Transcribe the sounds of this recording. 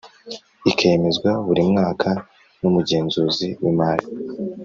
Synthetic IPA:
ikʰejeme̞zɡwaβuɾimŋaːkʰa | numuɟe̞ːnzuːziwimaːli

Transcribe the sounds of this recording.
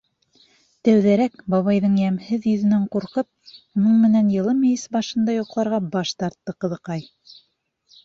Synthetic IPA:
t̪æwðæɾækbɑβɑjðɤɴjæmhɘðjɵ̆ðɘ̆næɴquɾqɤp̚ | mɤŋmɘ̆nænjɤ̆lˠɤmɘ̆jɘsbɑʃɤ̆nd̪ɑjuqlˠɑɾʁɑbɑʃt̪ɑɾt̪ːɤqɤ̆ðɤ̆qɑj

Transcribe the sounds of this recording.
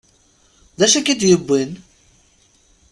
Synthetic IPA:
d̪æʃækid̪jəbːin

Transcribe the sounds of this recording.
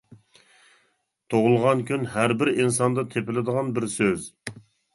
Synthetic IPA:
t̪ʰoʁʊlˠʁɑnkʲʰynɦæɾbɪɾinsɑnd̪ɑt̪ʰepɪlɪd̪əʁɑnbɪɾsøz

